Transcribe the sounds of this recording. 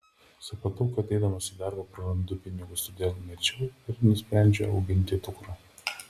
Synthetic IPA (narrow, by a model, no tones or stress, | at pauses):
sɐpɐt̪ʊːkɐɐt̪ʲɛɪd̪ɐmɐsʲɪd̪ɐˑɾbɐpɾɐɾɐnd̪ʊpʲɪnʲɪɡʊst̪ɔd̪ʲeːlˠmʲɛt͡ʃʲɛʊɪɾnʊsʲpʲɾʲæˑnʲd͡ʒʲɛɐʊɡʲɪnʲt̪ʲɪt̪ʊkɾɐː